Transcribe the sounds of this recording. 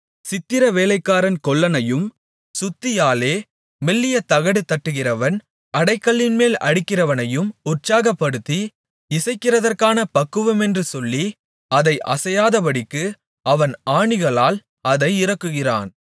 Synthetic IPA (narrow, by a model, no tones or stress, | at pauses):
sɪt̪ːɪɾɐʋeːlɐɪkːaːɾɐnkɔɭːɐnɐjɯm | sʊt̪ːɪjaːleː | mɛlːɪjɐt̪ɐɣɐɽɯt̪ːɐʈːɯɣɪrɐʋɐn | ɐɽɐɪkːɐɭːɪnmeːlɐ̰ɽɪkːɪrɐʋɐnɐjɯmʊrt͡ʃaːɣɐpːɐɽɯt̪ːi | ɪsɐɪkːɪrɐðɐrkaːnɐpɐkːɯʋɯmɛndrɯsɔlːi | ɐðɐɪʔɐ̰sɐjaːðɐpɐɽɪkːɯ | ɐʋɐnaːɳɪɣɐɭaːl | ɐðɐɪɪɾɐkːɯɣɪra̰ːn